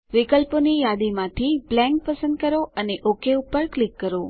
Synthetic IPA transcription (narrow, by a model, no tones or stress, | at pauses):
ʋikəlponijad̪imãt̪ʰiblɛ̃ŋk̚pəsə̃nd̪̚kəɾoʔəneʔokeupəɾklikːəɾo